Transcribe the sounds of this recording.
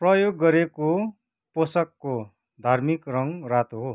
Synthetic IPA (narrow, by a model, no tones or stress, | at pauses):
prʌjoɡːʌɾeko | posʌkːo | d̪ʱarmikrʌŋrat̪oɦo